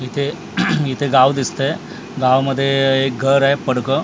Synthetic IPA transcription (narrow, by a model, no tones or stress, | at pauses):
jit̪ʰe | it̪ʰeɡaʋd̪ist̪əe | ɡaʋməd̪ʱːjeːk̚ɡʱəɾɦepəɽkə